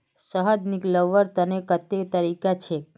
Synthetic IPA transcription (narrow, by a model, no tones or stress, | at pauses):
səɦəd̪nikləʋəɾt̪ənekət̪ːet̪əɾikat͡ʃʰe